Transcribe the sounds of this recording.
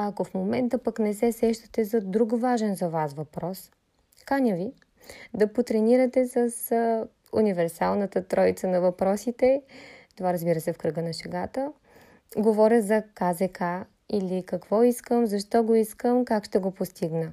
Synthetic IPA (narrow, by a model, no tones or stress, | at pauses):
ɐkofmomɛnt̪əpɐknɛsɛsɛʃt̪ə̥t̪ɛzɐd̪ɾukvaʒɛnzɐvasvɐpɾɔs | kanʲəvi | d̪ɐpot̪ɾɛniɾət̪ɛsəs | univɛɾsalˠnət̪ət̪ɾɔit̪sənɐvɐpɾɔsit̪ɛt̪ovaɾɐzbiɾəsɛfkɾɤɡənɐʃɛɡat̪ə | ɡovɔɾʲəzɐkazɛka | ilikɐkvɔiskəmzɐʃt̪ɔɡoiskəmkakʃt̪ɛɡopost̪iɡnə